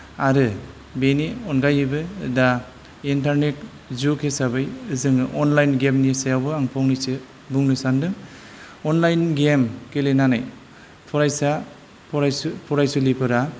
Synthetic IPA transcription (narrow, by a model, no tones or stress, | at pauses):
aɾɯ | beniɔnɡajɯbɯda | intaɾnet | zukʰesabɯjɯzɯŋɯʔɔnlajnɡemnisajawbɯaŋpʰɔŋnisɯ | buŋnɯsandɯŋ | ɔnlajnɡemkelenanaj | tʰɔɾajsa | pʰɾpʰɔɾajsulipʰɯɾa